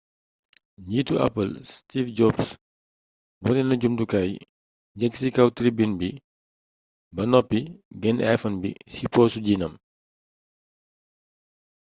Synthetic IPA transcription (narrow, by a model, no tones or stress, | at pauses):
ɲiːtuɐ̰pːəlstifɟɔbs | bɔnɛnɐɟumdukaj | ɲɛksikɐwtɾibinbi | bɐnɔpːiɡɛnajfɐnbḭsipɔːsuɟiːnɐm